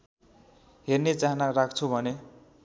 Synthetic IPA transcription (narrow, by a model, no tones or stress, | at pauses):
ɦernet͡saɦnarak̚ʰt͡sʰubʱʌne